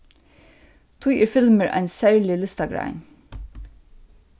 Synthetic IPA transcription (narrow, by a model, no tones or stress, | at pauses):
t̪ʰujʔiːɹfɪlməɹʔæ̰ɪnsæːɹlɪlɪst̪ɑɡɹæ̰ɪn